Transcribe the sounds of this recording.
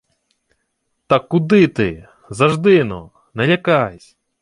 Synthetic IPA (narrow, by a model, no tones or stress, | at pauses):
t̪ɐkːud̪ɪt̪ɪ | zɐʒd̪ɪnɔ̰ | nɐlʲakajsʲ